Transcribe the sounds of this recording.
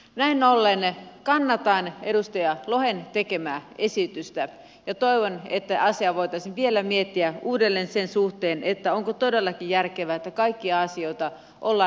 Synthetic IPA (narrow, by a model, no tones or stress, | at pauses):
næinolːenkɑnːɑt̪ɑinedust̪ɑjɑlohent̪ekemæːesit̪yst̪æ | jɑt̪oiʋonet̪ːæʔɑsiɑʋoit̪ɑisinʋielæmiet̪ːiæuːdelːensensuht̪eːnʔet̪ːæoŋkot̪odelːɑkijjærkeʋæet̪ːækɑikːiɑɑsioit̪ɑ | ʔolːɑ